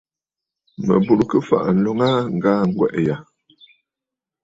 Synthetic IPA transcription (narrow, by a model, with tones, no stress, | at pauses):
mə̰˨bu˦˨ɾkə˦fa̰˦˨ʔn̩˨lɔ˦ŋa˦ŋ˦˨ɡaː˦ŋ˦ɡwɛ̰˦˨ʔja˨